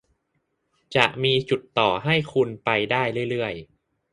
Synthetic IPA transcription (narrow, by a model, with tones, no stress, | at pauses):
t͡ɕa˨˩k̚miː˧t͡ɕu˨˩t̪ːɔː˨˩ɦa˥˩jkʰu˧npa˧jdaː˥˩jɾɯ˥˩əjɾɯ˥˩əj